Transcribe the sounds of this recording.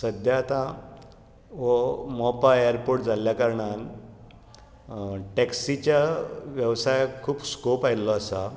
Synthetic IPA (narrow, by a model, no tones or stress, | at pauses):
səd̪ʱjat̪ã | ʋɔmɔpaeɾpoɾʈd͡zʱaljakəɾɳal | ʈɛksit͡ɕjaʋjəʋsajkʰuːpskopajlɔːsa